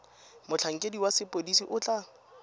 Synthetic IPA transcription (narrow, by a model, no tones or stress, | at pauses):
mʊt͡ɬʰaŋ̩kʼediwasɪpʼodisiʔʊt͡ɬʼa